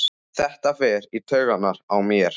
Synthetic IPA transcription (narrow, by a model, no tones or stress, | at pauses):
θɛht̪afɛːɾit̪ʰœːɥɣanːaɾawmjɛɾ̥